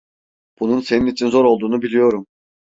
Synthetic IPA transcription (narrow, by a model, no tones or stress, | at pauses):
b̥ununse̞ninit͡ʃʰinzo̞ɾolˠd̪uːnubilʲijo̞ɾum